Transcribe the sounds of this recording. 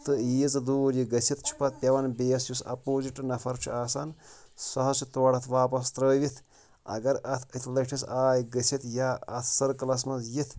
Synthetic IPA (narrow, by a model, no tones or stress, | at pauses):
t̪ɨijit͡sɨd̪uːɾjiɡɐsʰit̪t͡ʃʰu̥pɐt̪̚pʲɐʋɐnbeːsjusɐ̰poːziʈɨnɐfʰɐɾt͡ʃʰṵaːsansɐɦɐt͡ʃʰit̪oɽɐt̪ʰʋaːpɐst̪ɾəːʋit̪ʰ | ɐ̰ɡɐɾɐt̪ʰɐt̪ʰlɐʈʰisaːjɡɐsʰit̪jaːɐt̪ʰsɐɾkɐlɐs̬mɐsjit̪ʰ